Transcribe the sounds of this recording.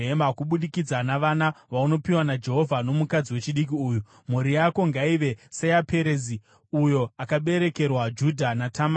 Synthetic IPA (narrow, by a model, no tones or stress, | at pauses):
emakuɓuɗikid͡zanaʋanaʋauno̞piwanad͡ʒe̞ɦo̞vʱano̞mukad͡ziwe̞t͡ʃiɗik̬iuːju | m̤uɾijako̞ŋɡaiʋe̞sejapʰe̞ɾezi | ujo̞akaɓe̞ɾe̞ke̞rwad͡ʒudʱanatʰam